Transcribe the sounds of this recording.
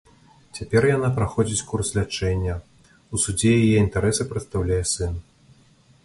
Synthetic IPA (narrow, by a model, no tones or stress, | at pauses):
t͡sʲapʲɛrjanapɾaxɔd͡zʲit͡sʲkurslʲat͡ʂɛnʲːɐ | usud͡zʲɛjjajɛint̪aɾɛsɨpɾɐt̪st̪awlʲajɛsɨn